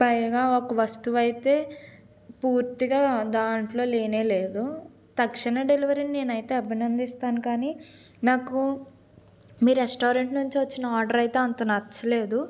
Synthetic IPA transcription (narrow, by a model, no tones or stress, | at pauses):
pɐjɡaːokɐʋɐst̪uʋɐjit̪e̞ː | puːɾt̪iɡaːd̪aːɳʈlo̞ːleːneːleːd̪u | t̪ɐkʂiɳɐɖe̞liʋɐɾinine̞ːnɐjt̪e̞ːɐbʱinɐnd̪ist̪aːnukaːniː | naːku | miːɾesʈoːɾeɳʈnuɲt͡ʃiʋɐt͡ʃːinɐaːɾɖɐɾɐjt̪e̞ːɐnt̪oːnɐt͡ʃːɐle̞ːd̪u